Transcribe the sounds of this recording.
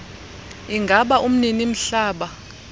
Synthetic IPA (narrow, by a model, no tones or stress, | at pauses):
iŋɡʱaɓaʔum̩ninim̩ɬaːɓa